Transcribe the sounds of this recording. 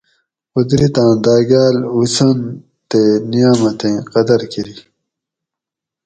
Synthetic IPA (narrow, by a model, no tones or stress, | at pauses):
ud̪ɾit̪ãːd̪aːɡaːlusɐn | t̪enijaːmɐt̪ẽːqɐd̪ɐɾkiɾi